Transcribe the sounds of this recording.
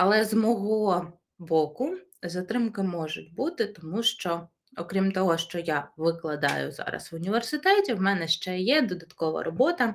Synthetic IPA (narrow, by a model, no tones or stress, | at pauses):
ɐlˠɛzmɔɦɔ | bɔkʊ | zɐt̪ɾɪmkɪmɔʒʊt̚ʲbut̪ɪt̪ɔmuʃt͡ʃɔ | ɔkɾʲimt̪ɔɦɔʃt͡ʃɔjaʋɪklˠɐd̪ɑ̰jʊ̰zɑ̰ɾɐ̰sʋʊnʲiʋersɪt̪ɛtʲiwmɛnɛʃt͡ʃɛjɛd̪ɔd̪ɐt̪kɔʋɐ̰ɾʔɔbɔt̪ɐ